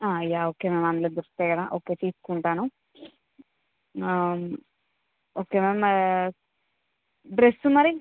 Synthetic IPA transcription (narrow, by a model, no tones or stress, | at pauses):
aːjaoːkememaːnled̪uɾst̪ekɐd̪aʔoːkeːtiːskuɳʈaːnu | m | oːkemem | bɾesːumɐɾi